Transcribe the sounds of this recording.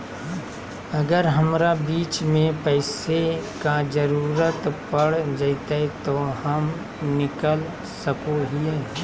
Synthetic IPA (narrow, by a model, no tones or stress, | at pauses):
ɐɡəɾɦɐmɾabiːt͡ʃmẽpɛːsekad͡ʒəɾuːɾət̪pɐɽd͡ʒaɪt̪aɛt̪ohɐm | nɪkəl | səkoɦie